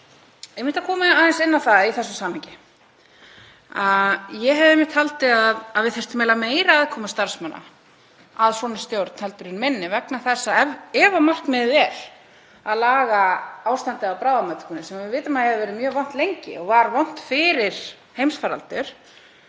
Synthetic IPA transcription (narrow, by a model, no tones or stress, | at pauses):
ɛjmɪht̪akʰɔːmɪaːðɛnsɪnːawθaiθɛsːʏsaːmhɪɲcɪ | ajɛɦɛvðɛmːɪht̪halt̪ɪaðaðvɪðθɛjr̥t̪ʏmɛlameːjɾaaðkʰɔːmast̪aɾ̥smana̰ | aðsɔːnɪ̥st̪jowɾt̪n̥hɛlt̪ʏɾɪnmɪnːɪvɛknaθɛsːaɛːvamar̥knmɪðvɛl̥ | aðlaːɣaaːwst̪ant̪ɪapɾaːwðamat̪ɪ̥kʰɔnɪsɛmavɪvɪːt̪ʏmaðhɛvɪvɛːɾɪmjœːvɔn̥t̪lejɲcɪ̰ɔɣvaɾvɔn̥t̪fɪɾɪɾ̥ | hejmsfaɾa̰lt̪ʏɾ̥